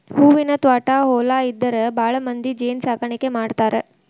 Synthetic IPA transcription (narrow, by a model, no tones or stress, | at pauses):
huːʋinɐt̪ʋaːʈaːɦɔːlaːid̪ːɐɾebʱaːɭɐmɐnd̪id͡ʒeːnsaːkɐɳikemaːɖt̪aːɾe